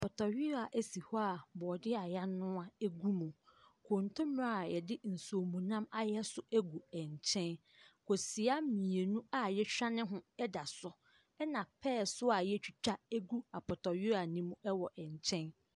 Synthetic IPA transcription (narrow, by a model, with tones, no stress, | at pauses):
a˨pʰɔ˨tʰɔ˨ɥɪ˦ɾa˨ʔæ˦si˨hɔ˦a˨bɔː˨dɪ˦a˨ja˦nʊ̃˦a˨ɛ˦ɡu˦mũ˨kʰõ˨n˨tʰʊ̃˦m˦a˦˨jɛ˨dɪ˦n̩˨so˨mũ˨nã˦ma˨jɛ˦sʊ˨æ˦ɡu˨ɛ˨ɲ˨t͡ɕʰɛ̃˦n | kʰo˨si˨a˦mĩ˨e˨nũ˦a˨jɛ˦ɕᶣa˦nɪ̃˦ɦʊ̃˦ɛ˦da˨sʊ˦ | ɛ˦nã˨pʰɛː˦˨sʊ˦a˨jɛ˦t͡ɕᶣi˨t͡ɕᶣa˦æ˦ɡu˦a˨pɔ˨tɔ˨ɥɪ˦ɾa˨nĩ˦mũ˦˨ɛ˦wɔ˨ʔɛ˨ɲ˨t͡ɕʰɛ̃˦n